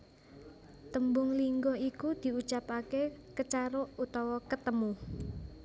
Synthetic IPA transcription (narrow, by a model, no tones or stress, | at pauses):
t̪əmbʊŋliŋɡoikud̪̥i̤ut͡ʃapakekət͡ʃaɾout̪ɔwɔkət̪əmu